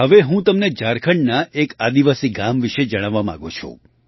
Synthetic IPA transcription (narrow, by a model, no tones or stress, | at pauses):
ɦəʋeɦũt̪əmned͡ʒaɾkʰəɳnaʔekad̪iʋasiɡamʋiʃed͡ʒəɽ̃aʋːamã̰ɡot͡ʃʰṵ̃